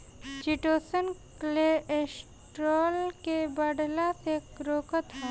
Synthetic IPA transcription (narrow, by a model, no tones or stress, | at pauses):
t͡ʃiʈoːsənklees | ʈɾɔːlkebəɖlasekɾoːkət̪ɦɛ